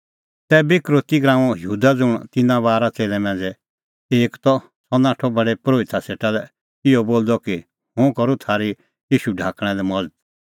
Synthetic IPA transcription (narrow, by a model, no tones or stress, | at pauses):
t̪ɛbɪkɾoːt̪iɡɾãːɔ̃jɦuːd̪ad͡zʊɽ̃t̪ɪnãbaːɾat͡seːlɛmɛ̃ːnd͡zɛ | eːkt̪ɔ | sɔnaːʈʰɔbɐɽepɾoːɪt̪ʰaseːʈalɛ | ɪjɔboːld̪ɔki | hʊ̃kɐɾut̪ʰaːɾi | jiːʃuɖʱãːkɽ̃ɛ̃lɛmɔd͡zd̪̚